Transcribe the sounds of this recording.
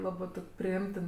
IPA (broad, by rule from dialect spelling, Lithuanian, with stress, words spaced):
ˈlˠɑːbɜ ˈtoːkʲ pʲrʲɪˈɪmʲtʲɪn